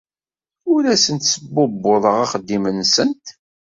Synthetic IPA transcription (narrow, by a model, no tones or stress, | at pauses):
ʊɾæsənt̪səbːʊbːʊðˤəʁaχəd̪ːimənsənt̪